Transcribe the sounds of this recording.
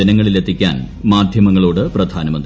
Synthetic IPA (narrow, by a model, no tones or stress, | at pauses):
ɐnɐŋːɐɭilet̪ʰːikʲːa̰ːnmaːd̪ʱjɐmɐŋːɐɭoːɽɨprɐd̪ʱaːnɐmɐnd̪